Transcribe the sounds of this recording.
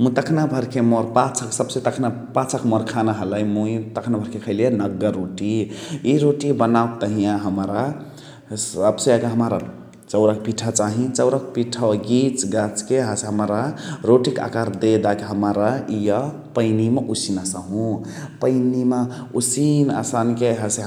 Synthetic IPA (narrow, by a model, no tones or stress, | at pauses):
mũt̪əkʰnabʱəɾkʰemɔɾpat͡ʃʰəksəbset̪əkʰna | pat͡ʃʰəkmɔɾkʰanaɦələjmut̪əkʰnabʱəɾkekʰəɪljenəɡːəɾːoʈiiɾoʈibənakt̪əɦijãɦəmɾa | səbseeɡaɦəmaɾa | t͡ʃəʊɾak̚piʈʰət͡ʃaɦĩt͡ʃəwɾəkpiʈʰəɡit͡ʃɡat͡ʃkeɦəseɦəmɾaɾoʈika̰kaɾd̪ed̪akeɦəmaɾajə | pəɪnimeʔusinasaɦũ | pəɪnimeusina̰sankeɦase